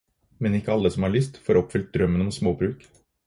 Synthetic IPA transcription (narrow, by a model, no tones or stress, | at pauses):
mɛnɪkːəɑlːəsɔmhɑɭʏst̪foːɾɔpfʏlt̪̚d̪ɾœmːənɔmsmoːbɾʉːk